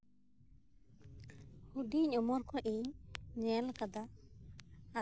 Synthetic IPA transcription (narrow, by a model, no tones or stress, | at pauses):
hudiɲɔmɔɾkɔʔejɲɛlkad̪aː